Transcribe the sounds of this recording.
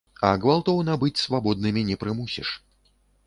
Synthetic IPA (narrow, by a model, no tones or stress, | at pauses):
ɐɡvalˠt̪ɔwnɐbɨt͡sʲsvabɔd̪̚nɨmʲinʲɛpɾɨmusʲḭʂ